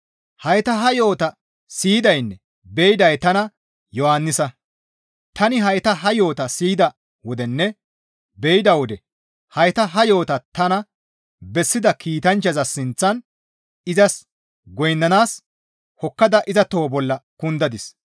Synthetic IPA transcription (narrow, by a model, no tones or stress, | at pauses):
hɐjt̪ɐɦɐjo̞ːt̪ɐ | siːd̪ɐjnːɛ | bɛjɪd̪ɐjt̪ɐnɐ | jɔhanːɪsɐ | t̪ɐnɪɦɐjt̪ɐɦɐjo̞ːt̪ɐsiːd̪ɐ | wɔd̪ɛnːɛ | bɛjɪd̪ɐwɔd̪ɛ | hɐjt̪ɐɦɐjo̞ːt̪ɐt̪ɐnɐ | bɛsːɪd̪ɐkʰiːt̪ɐnt͡ʃːɐzɐsɪnt͡sːɐn | ɪzɐs | ɡɔjnːɐnaːs | hɔkːɐd̪ɐʔɪzɐt̪oːbɔlːɐkʊnd̪ɐd̪ɪs